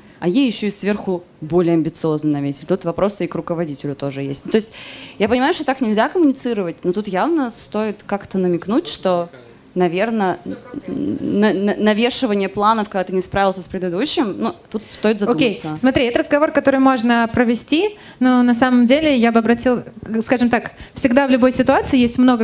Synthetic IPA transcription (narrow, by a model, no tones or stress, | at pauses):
ɐjejːɪɕːoɪsvʲerxʊ | bo̞lʲɪjəɐmʲbʲɪt̪sɨo̞znɨnɐvʲetʲɪlʲt̪ut̪vɐpɾo̞sɨikrʊkəvɐdʲitʲɪlʲʊt̪o̞ʐɨjesʲtʲnʊt̪o̞ɪsʲt̚ʲjapənʲɪmajʊʂt̪ot̪aknʲɪlʲzʲakəmʊnʲɪt̪sɨɾəvət̚ʲnot̪ut̪javnəst̪o̞ɪt̪kakt̪ənəmʲɪknutʲʂt̪o̞ | nɐvʲe̞rnə | nɐnnɐvʲeʂɨvənʲɪjəplˠanəfkɐɡd̪at̪ɨnʲɪspɾavʲɪlˠsʲə̥spɾʲɪd̪ɨd̪uɕːɪmnut̪ut̪st̪o̞ɪt̪zɐomkʲejsəsmɐt̪ɾʲiɛt̪əɾəzɡɐvo̞rkɐt̪o̞ɾɨjmo̞ʐnəpɾəvʲɪsʲtʲi | nonɐsaməmdʲelʲɪjabɨɐbɾɐtʲilˠskaʐɨmt̪akfsʲɪɡd̪avlʲʊbo̞jsʲɪt̪ʊat̪sɨɪjesʲtʲmno̞ɡə